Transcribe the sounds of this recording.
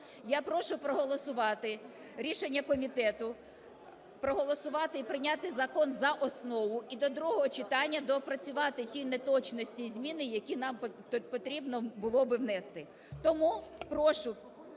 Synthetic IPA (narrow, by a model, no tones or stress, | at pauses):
japɾɔʃʊpɾɔɦɔlˠɔsʊʋɑt̪ɪ | ɾʲiʃenʲːɐkɔmʲit̪ɛt̪ʊ | pɾɔɦɔlˠɔsʊʋɑt̪ɪipɾɪnʲat̪ɪzɐkɔnzɐʔɔsnɔʋʊid̪ɔd̪ɾuɦɔɦɔt͡ʃɪt̪ɑnʲːɐd̪ɔpɾɐt͡sʲʊʋɑt̪ɪtʲinet̪ɔt͡ʃnɔsʲtʲizʲmʲinɪjɐkʲinɑm | pɔt̪ɾʲibnɔbʊlˠɔbɪwnɛst̪ɪ | t̪ɔmupɾɔʃʊ